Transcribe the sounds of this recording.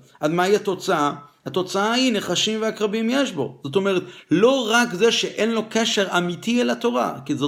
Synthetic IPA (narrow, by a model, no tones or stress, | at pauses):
ad̪maiat̪o̞t͡saahat̪o̞t͡saahineχaʃimveakʁabimjeʃbo̞̰zo̞t̬o̞meʁet̪lo̞ʁakzeʃeʔe̞nlo̞keʃe̞ʁamit̪ielat̪o̞ʁa̰kizo